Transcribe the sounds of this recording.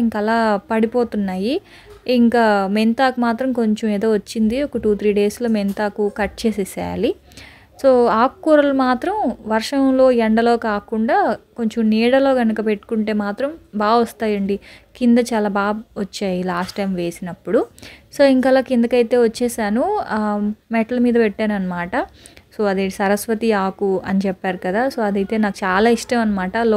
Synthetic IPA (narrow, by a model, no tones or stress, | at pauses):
iŋkɐlaːpɐɽipo̞ːt̪unːaːjiː | ŋkaːment̪aːkumaːt̪ɾɐmko̞ɲt͡ʃɐmeːd̪o̞ːʋɐt͡ʃːind̪iɔkɐʈuːt̪ʰɾiːɖe̞ːslo̞ːment̪aːkukɐʈ̚t͡ʃe̞ːsesa̰ːli | so̞ːaːkːuːɾɐlumaːt̪ɾɐmʋɐɾʂɐmlo̞ːɛɳɖɐlo̞ːkaːkuɳɖaːko̞ɲt͡ʃomniːɽɐlo̞ːɡɐnɐkɐpe̞ʈːu̥kuɳʈe̞ːmaːt̪ɾɐmbaːʋɔst̪aːjɐɳɖikind̪ɐt͡ʃaːlaːbaːbʋɐt͡ʃːaːjilaːsʈːɐjmʋe̞ːsinɐpːuɽuso̞ːiŋkɐlaːkend̪ɐkɐjt̪e̞ːʋɐt͡ʃːeːsaːnu | mɛʈɐlɐmiːd̪ɐpɛʈːaːnuɐnːɐmaːʈɐ | so̞ːɐd̪eʈisɐɾɐsʋɐt̪iaːkuɐnit͡ʃɛpːaːɾukɐd̪aːso̞ːɐd̪ɐjt̪e̞ːnaːkut͡ʃaːlaːiʂʈɐmɐnɐmaːʈɐl